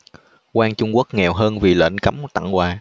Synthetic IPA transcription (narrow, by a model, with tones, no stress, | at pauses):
kwaː˧ŋt͡ɕʊ˧ŋ͡mku˦˥ək̚ŋɛ˨˩wɦəː˧nvi˨˩lə̰ː˧˥˩nka˨˦mt̪a̰˧˩ŋkwaː˨˩